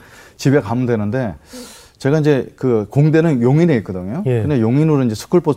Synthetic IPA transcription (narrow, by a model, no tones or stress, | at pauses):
t͡ɕibekamudwenɯnde̞ | t͡ɕe̞ɡaind͡ʑe̞kɯkoŋde̞nɯnjoŋineik͈ɯdɯŋejokɯndejoŋinuɾoind͡ʑe̞sʰu̥kʰɯɭpʰo